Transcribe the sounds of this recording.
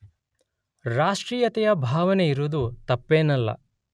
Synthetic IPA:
ɾaːʂʈɾiːjɐt̪ɛjɐbʱaːʋɐneiɾud̪ut̪ɐpːeːnɐlːɐ̰

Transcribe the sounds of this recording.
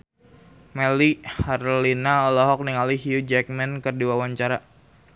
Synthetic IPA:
mɛliharlinaɔlɔɦɔk̚niŋaliɦjud͡ʒɛk̚mɛnkərdiwawaɲt͡ʃaɾa

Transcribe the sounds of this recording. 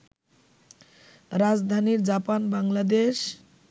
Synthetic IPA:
ɾad͡ʑd̪ʱaniɾd͡ʑapanbaŋlad̪eʃ

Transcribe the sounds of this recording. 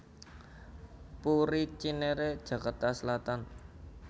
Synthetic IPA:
puɾit͡ʃineɾed̥ʒ̥ä̤kart̪asəlat̪an

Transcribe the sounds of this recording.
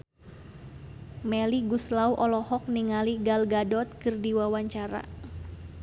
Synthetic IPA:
mɛliɡuslauʔɔlɔhɔk̚niŋaliɡalɡadɔt̪̚kɨrdiwawaɲt͡ʃaɾa̰

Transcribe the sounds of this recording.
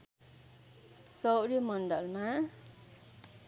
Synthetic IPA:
sʌwɾjʌmʌɳɖʌlma

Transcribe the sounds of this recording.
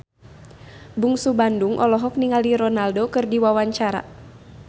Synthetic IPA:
buŋsubanduŋʔɔlɔɦɔk̚niŋaliɾɔnaldokɨrdiwawaɲt͡ʃaɾa̰

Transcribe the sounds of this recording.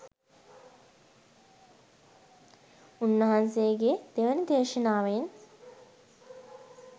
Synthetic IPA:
unːəɦansejəɡed̪̥eʋənəd̪ʱeːʃənaːʋəjen

